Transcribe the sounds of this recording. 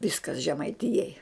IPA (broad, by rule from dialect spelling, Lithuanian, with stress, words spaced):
ˈʋʲɪskɐs ʒʲɛmɐɪˈtʲɪjɛɪ